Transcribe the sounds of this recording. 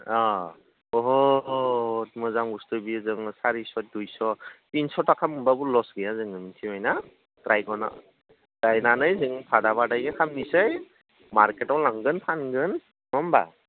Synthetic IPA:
ɔ | ɔɦɔ | tmɯzamɡustɯbizɯŋsaɾisɔt̚dujsɔtinsɔtakʰamɯmbabulɔsɡɯjazɯŋɯmintʰimajna | kɾajɡɔna̰ | tɾajnanɯjzɯŋpʰadabadajɡɯkʰamnisɯj | maɾketɔwlaŋɡɯnpʰanɡɯn | mɔmba̰

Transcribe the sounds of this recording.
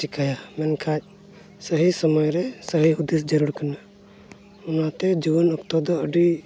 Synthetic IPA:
ikʰajamɛnkʰac̚ˀ | səɦisəmɔjɾɛsəɦiɦud̪isd͡ʒəɾuɽkana | ɔnat̪ɛd͡ʒiwɔnɔkt̪ɔd̪ɔəɖi

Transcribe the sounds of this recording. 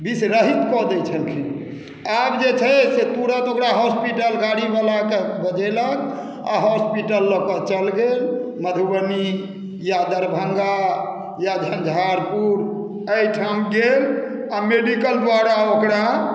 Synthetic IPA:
bisɾəɦit̪kɔd̪ɛt͡ʃʰəlkʰi | abd͡ʒet͡ʃʰəset̪uɾət̪okɾaɦɔspiʈəlɡaɽibalakebəd͡ʒɛlək | a̰ɦɔspiʈəlːɔkɔt͡ʃəlɡelməd̪ʱubəni | jad̪əɾbʱəŋɡa | jad͡ʒʱənd͡ʒʱaɾpuɾ | əjʈʰamɡel | ameɖikəld̪waɾaokɾa

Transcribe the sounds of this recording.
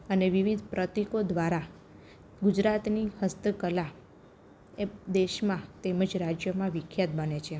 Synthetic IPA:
əneʋiʋid̪ʱpɾət̪ikod̪ʋaɾa | ɡud͡ʒɾat̪nihəst̪əkəla | ed̪eʃmãt̪eməd͡ʒɾad͡ʒjəmãʋɪkʰjat̪̚bənet͡ʃʰe

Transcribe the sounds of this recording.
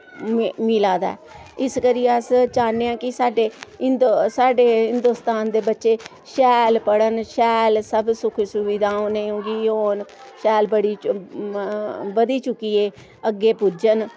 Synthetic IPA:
miːlaːd̪a̰ɛːɪskəɾijeəst͡ʃaːnːeːãːkɪsaːɖeːɪnd̪saːɖeːɦɪnd̪uːst̪aːnd̪eːbətːʃeː | ʃɛːlpəɽənʃɛːlsəbsʊkʰːsʊʋid̪aːõːnẽːɦʊ̃ŋɡiːoːn | ʃɛːlbəɽiː | bəd̪iːt͡ʃʊkːiːeː | əɡːeːpʊd͡ʒən

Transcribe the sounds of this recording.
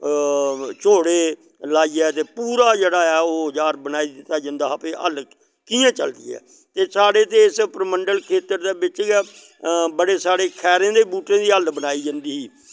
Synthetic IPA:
t͡ʃoːɽeː | laːiːɛːt̪eːpuːɾaːd͡ʒeːɽaːɛːoːɦəzaːɾbənaːiːd̪ɪt̪ːaːd͡ʒə̃nd̪aːpeːʔə̰l | kiːãːt͡ʃəld̪ḭːɛ̰ː | t̪eːsaːɽeːt̪eːɪspɾəməɳɖəlkʰeːt̪əɾd̪eːbɪt͡ʃɪɡɛ | bəɽeːsaːɽeːkʰɛːɾẽːd̪eːbuːʈẽːd̪iːəlbənaːiːd͡ʒãnd̪iːɦiː

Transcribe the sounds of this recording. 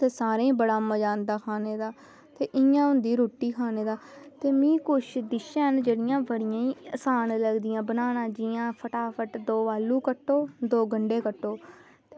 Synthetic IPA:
t̪eːsaːɾẽːĩːbəɽaːməd͡ʒaːnd̪aːkʰaːneːd̪aː | t̪eːʔɪjãːʊ̃nd̪iːɾoːʈːiːkʰaːneːd̪aːt̪eːmĩːkʊʃʰd̪ɪʃãːɦənd͡ʒeːɽɪjãːbəɽɪjãːĩːəsaːnləɡd̪ɪjãːbənaːnãːd͡ʒɪjãːpʰəʈaːpʰəʈd̪oːʋaːlːuːkəʈːoːd̪oːɡəɳɖeːkəʈːoː | t̪e

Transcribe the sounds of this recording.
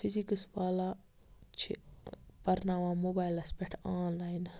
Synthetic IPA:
fizikəsʋaːla | t͡ʃʰḭpɐɾnaːʋãːmoːbaːjlɐspeʈʰaːnlaːjin

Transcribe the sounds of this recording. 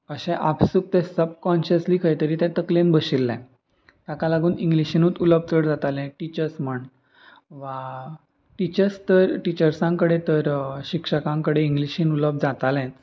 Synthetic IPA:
əɕɛ̃ʔapsuk̚t̪ɛ̃səb̚kɔnɕəsliːkʰəjt̪əɾiːt̪ɛ̃t̪əklenbəɕilːɛ̰̃ | t̪akalaɡuːnĩŋɡliɕinuːt̪uləb̚t͡s̪əɽd͡zat̪alɛ̃ʈit͡ɕəɾsm̤əɳ | ʋa | ʈit͡ɕəɾst̪əɾʈit͡ɕəɾsãŋkəɽet̪əɾɕikʂəkãŋkəɽeiŋɡliɕĩnuləb̚d͡zat̪alɛ̃t̪

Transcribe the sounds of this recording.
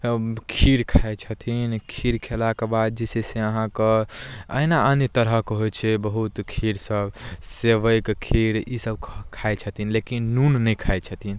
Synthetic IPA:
kʰiɾkʰajt͡ʃʰət̪ʰinkʰiɾkʰelakebad̪̚d͡ʒeseseəɦãkəə̰inaənjət̪əɾəkɦojt͡ʃʰɛbəɦut̪kʰiɾsəbseʋəjkkʰiɾisəb̚kkʰajt͡ʃʰət̪inlekinːunːəjkʰajt͡ʃʰət̪ʰin

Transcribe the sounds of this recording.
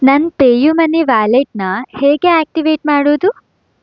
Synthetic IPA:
nɐnpeːjumɐnːiʋaːleʈnɐheːɡeaːk̚ʈiʋeːʈmaːɽoːd̪u

